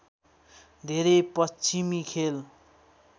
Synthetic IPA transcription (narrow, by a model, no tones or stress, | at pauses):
d̪ʱeɾepʌst͡simikʰel